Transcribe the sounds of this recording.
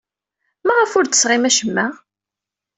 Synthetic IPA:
mæʁəfʊɾt̪ə̥sʁɪmæʃəmːæ

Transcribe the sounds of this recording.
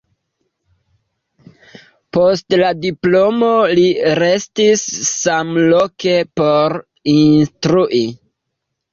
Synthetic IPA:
postladiplo̞mo̞liɾestisːamlo̞ke̞po̞ɾ | innstɾuʔi

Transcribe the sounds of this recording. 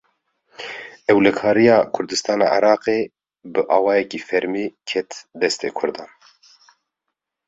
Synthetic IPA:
ɛwlɛkʰɑːɾijɑːkʰʊɾd̪ɨst̪ɑːnɑ̰ːʔɪ̰ɾɑːqeː | bɨʔɑːwɑːjɛkiːfɛɾmiːkʰɛt̪d̪ɛst̪ḛːkʰʊɾd̪ɑːn

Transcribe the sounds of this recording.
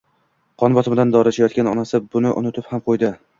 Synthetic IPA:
qʰɒnbɒt̪ɪmɪd̪and̪ɒɾat͡ʃʰajɒt̪̚kʲanɒnasɪbʊnɪʔʊ̰nɪt̪ɪphamqʰojd̪ɪ

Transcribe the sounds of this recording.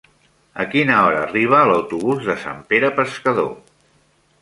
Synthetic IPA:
əkinəɔɾəːriβ̞əːləwt̪uβ̞uzðəsa̰mpeɾəpəskəðo̰

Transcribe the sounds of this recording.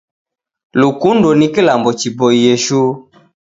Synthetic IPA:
lukundɔnikilambɔt͡ʃiboijeʃu

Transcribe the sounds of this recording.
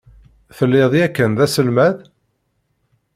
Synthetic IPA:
θəlːɪðˤjækːənðæsəlmæð

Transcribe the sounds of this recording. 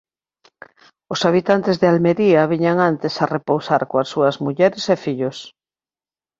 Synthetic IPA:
ʊsaβ̞it̪ant̪ezðealmeɾiɐβiɲaŋant̪esarepowsaɾkoasuɐzmuʎɛɾesefiʎʊs

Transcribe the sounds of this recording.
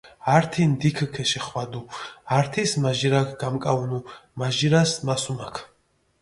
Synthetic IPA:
aɾt̪ʰind̪ikʰkʰɛʃɛχwad̪uaɾt̪ʰismaʒiɾakʰɡamkʼaunumaʒiɾasmasumakʰ

